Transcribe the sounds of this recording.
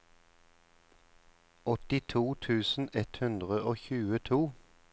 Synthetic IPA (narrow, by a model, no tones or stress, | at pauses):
ɔt̪ɪt̪ʰuːt̪ʰʉːsn̩ɛt̪hʉnd̪ʁəʔoːçʉːət̪ʰuː